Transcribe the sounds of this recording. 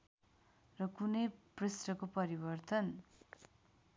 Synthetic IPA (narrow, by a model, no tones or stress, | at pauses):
rʌkunʌjpresrʌkopʌɾibʌrt̪ʌn